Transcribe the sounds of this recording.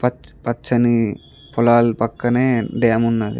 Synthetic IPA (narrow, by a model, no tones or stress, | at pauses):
pɐpɐt͡ʃːɐni | pɔlaːlpɐkːɐneːɖɐjɐmunːaːɡḭ